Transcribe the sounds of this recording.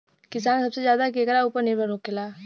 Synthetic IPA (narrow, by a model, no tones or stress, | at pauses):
kɪsaːnsɐbsezjaːd̪akeːkɾauːpəɾnebəɾoːkːelaː